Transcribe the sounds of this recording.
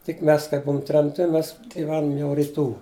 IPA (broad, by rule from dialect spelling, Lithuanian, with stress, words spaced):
tʲɪk ˈmʲɛs kɐɪp ˈbʊʊm tʲrʲɛmʲˈtʲɪ ˈmʲɛs ɡʲɪˈʋʲæːnʊm jɛʊ rʲɪˈtuː